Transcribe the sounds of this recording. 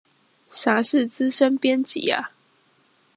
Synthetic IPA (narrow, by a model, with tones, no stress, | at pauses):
ɕa˨˥ʂɻ̩˥˨t͡s̩˦ʂə˦npjɛ˥˦nt͡ɕḭ˨˩˦a̰˦